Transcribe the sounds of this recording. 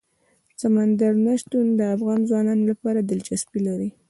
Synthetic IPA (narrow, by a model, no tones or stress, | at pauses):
samand̪aɾnaʃt̪und̪əafɣɑnzwɑnɑnolapɑɾad̪ɪld͡ʒasbilaɾi